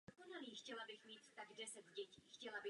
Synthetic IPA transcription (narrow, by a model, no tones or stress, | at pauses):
okonaliːxcɛlabɪxmiːt̪ːaɡdɛsɛt̪ɟɛciːxcɛlabɪ